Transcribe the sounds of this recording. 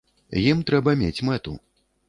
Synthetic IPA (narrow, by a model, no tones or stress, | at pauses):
jimt̪ɾɛbɐmʲet͡sʲmɛt̪ṵ